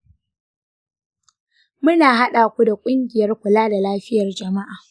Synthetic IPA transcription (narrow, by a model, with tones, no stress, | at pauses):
mʊ˦naː˨ɦa˦ɗaː˨kʷu˦da˨kʷʼʊ˦ŋɡʲɪ˨jɐ˦rkʷʊ˨laː˦da˨laː˦ɸɪ˦jɐ˨rd͡ʒɐ˨ma˦ʔaː˨